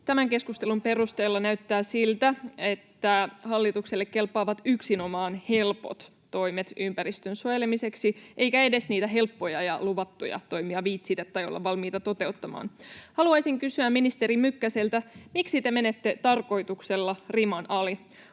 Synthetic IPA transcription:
t̪æmæŋke̞skust̪elumpe̞rust̪eːlːɑnæyt̪ːæːsilt̪æe̞t̪ːæhɑlːit̪ukselːekːe̞lpːˑɑːʋɑt̪yksino̞mɑːnhe̞lpo̞̰t̪ːo̞jmet̪ʔympæɾist̪ønsojelemise̞ksiʔejkæe̞de̞sniːt̪æɦe̞lpːo̞jɑjɑ̰luʋɑt̪ːujɑ̰t̪o̞jmiɑʋiːt̪siːt̪æet̪ːɑjo̰lːɑ̰ʋʋɑlmiːt̪ɑt̪o̞t̪e̞ut̪ːɑmɑ̰ːnhɑluɑjsiŋkysyæmminist̪e̞ɾimykːæselt̪æmiksit̪e̞me̞net̪ːe̞t̪ɑrko̞jt̪ukselːɑrimɑnɑli

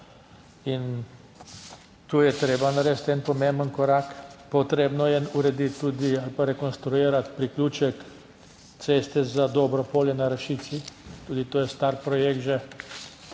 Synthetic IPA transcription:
in | t̪uːjɛt̪ɾeːbanaɾɛːst̪ɛnpɔmẽmbənkɔɾakpɔt̪ɾeːbnɔjɛuɾɛd̪it̪ːuːd̪ialpaɾɛkonst̪ɾujeːɾat̪pɾikluːt͡ʃɛk | t̪sest̪ɛzad̪ɔbɾɔpoːljɛnaɾɐʃit̪sit̪uːd̪it̪oːjɛst̪aɾpɾɔjekt̪ʒɛ

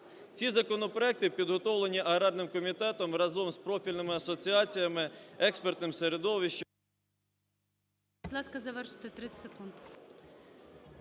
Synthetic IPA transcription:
t͡sʲizɐkɔnɔpɾɔɛk̚t̪ɪpʲid̪ɦɔt̪ɔwlˠenʲiʔɐɦɾɑrnɪmkɔmʲit̪ɛt̪ɔmrɐzɔmspɾɔfʲilʲnɪmɪɐsɔt͡sʲiɑt͡sʲijɐmɪɛkspert̪nɪmseɾed̪ɔʋiʃt͡ʃ | bd̪lˠɑskɐzɐʋɛrʃɪ̥t̪ɪt̪ɾɪsekunt̪

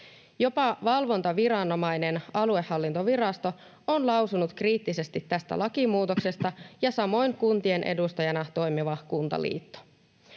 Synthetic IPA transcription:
jo̞pɑʋɑlʋo̞nt̪ɑʋiɾɑnːo̞mɑjne̞nɑlue̞hːɑlːint̪o̞ʋiɾɑst̪o̞ | onlɑwsunut̪kriːt̪ːise̞st̪it̪ːæst̪æ̰lʔɑkimuːt̪o̞kse̞st̪ɑjɑsɑmo̞jŋkunt̪ie̞nʔe̞̰dust̪ɑjɑnɑt̪o̞jmiʋɑkunt̪ɑ̰lḭːt̪ːo̥

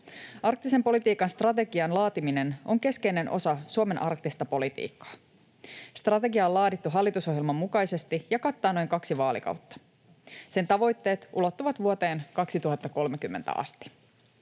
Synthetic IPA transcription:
ʔɑrk̚t̪ise̞mpo̞lit̪iːkɑnst̪rɑt̪e̞ɡiɑnlɑːt̪imineno̞ŋke̞ske̞jne̞nʔo̞̰sɑsuome̞nʔɑ̰rkt̪ist̪ɑpo̞lit̪ḭːkːɑ̥ː | st̪rɑt̪e̞ɡiɑolɑːdit̪ːuɦɑlːit̪uso̞ɦjelmɑmːukɑjse̞st̪ijɑkɑt̪ːɑːno̞jŋkɑksiʋɑːlḭkɑ̰wt̪ːɑ̥ | se̞nt̪ɑʋo̞jt̪ːe̞ːt̪ʔṵlo̞t̪ːuʋɑt̪ʋuot̪e̞ːnkɑksit̪uɦɑt̪ːɑko̞lmekymːent̪æ̰ɑ̰st̪i̥

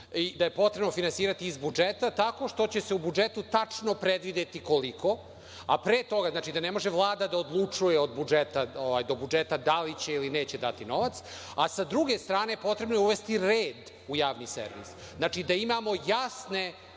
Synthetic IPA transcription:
id̪aje̞po̞t̪ɾebnofinansiːɾat̪iːzbud͡ʒet̪at̪ako̞ʃt̪o̞t͡ɕe̞se̞ubud͡ʒet̪ut̪at͡ʂnopɾed̪ʋid̪et̪iko̞likʰo̞ | apɾeːt̪o̞ɡaznaːt͡ʃid̪anemo̞ʒeʋlˠaːd̪ad̪aod̪lˠut͡ʂujeod̪bud͡ʒet̪aoʋajd̪o̞bud͡ʒet̪ad̪alit͡ɕe̞ilineːt͡ɕed̪at̪ino̞ʋat̪s | asad̪ɾuɡe̞st̪ɾaːnejepo̞t̪ɾe̞bnojuʋest̪iɾeːd̪ | ujaːʋnisḛɾʋḭsznat͡ʃid̪aimamo̞jasne̞

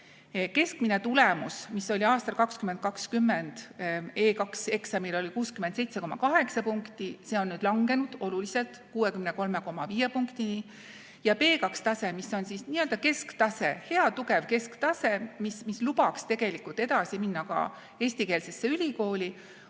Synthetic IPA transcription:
ke̞skmine̞t̪ulemusmisːo̞lʲiɑːst̪ɑlkɑkskymend̪̚kɑkskymːend̪̥e̞ːkɑkse̞ksɑmilo̞lʲikuːskymend̪se̞jt̪se̞ko̞mɑ̰kɑɦeksɑpuŋkt̪ise̞o̞nːyːd̪lɑŋɡe̞nud̪̥o̞lulise̞lt̪kuːwe̞kymne̞ko̞lme̞ko̞mɑviːje̞puŋkt̪ini | jɑpe̞ːkɑkst̪ɑse̞misːo̞nsisniːøld̪ɑke̞skt̪ɑse̞he̞ɑt̪uke̞vke̞skt̪ɑse̞mismislubɑkst̪e̞ɡe̞likːˑult̪ˑe̞d̪ɑsiminːɑkɑ̰ | e̞ːsʲt̪ike̞ːlse̞sːe̞ylʲiko̞ːlʲi

